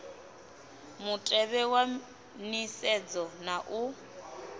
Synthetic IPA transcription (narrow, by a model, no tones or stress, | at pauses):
mutʼɛβɛwa | nisɛd͡zɔnaʔu